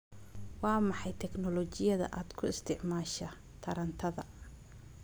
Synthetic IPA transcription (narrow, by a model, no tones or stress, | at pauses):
wɑːmɑħɑjt̪ʰɛknɔlɔt͡ʃɪjɐðɐ̰ʔaːd̪kʰʊɪst̪ʰɪʕmaːʃɐ | t̪ʰɐɾɐnt̪ʰɐðɐ